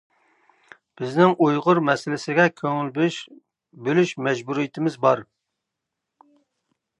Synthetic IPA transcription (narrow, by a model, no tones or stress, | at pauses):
b̥ɪznɪŋʔujʁʊɾmɛsɪlɪsɪɡʲɛkʲʰøŋɪlb | bølyʃmɛd͡ʒbuɾijɪt̪ʰɪmɪzbɑɾ